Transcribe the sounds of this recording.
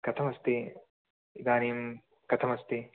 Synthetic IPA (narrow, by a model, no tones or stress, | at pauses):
kɐt̪ʰɐmɐst̪ɪ | ɡ̪aːniːm | kɐt̪ʰɐmɐst̪ɪ